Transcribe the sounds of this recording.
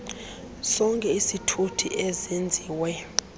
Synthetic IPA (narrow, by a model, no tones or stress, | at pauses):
sɔŋkʼɛisitʰutʰḭʔezend͡zʱiːwɛ